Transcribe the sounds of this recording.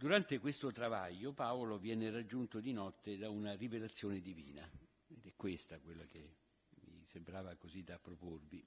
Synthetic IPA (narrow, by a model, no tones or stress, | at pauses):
d̪uɾant̪ekwest̪ot̪ɾavaʎːopaolovjɛːnerad͡ʒːunt̪od̪inɔt̪ːed̪aunarivelat̪sːjoːned̪ivḭːna | ed̪ɛkːwest̪akwelːake | mḭsembɾaːvakozid̪apːɾoporvi